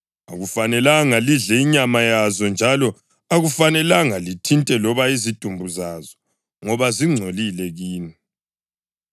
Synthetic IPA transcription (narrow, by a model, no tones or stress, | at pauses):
a̰ɣufanɛlaŋaliɮɛiɲamajazɔnd͡ʒʱalɔ | aɣufanɛlaŋalitʰintʼɛlɔβaizid̥ʱumbʱuzazɔ̥ | ŋɔβaziŋ͡ǀʱolilɛɣiːni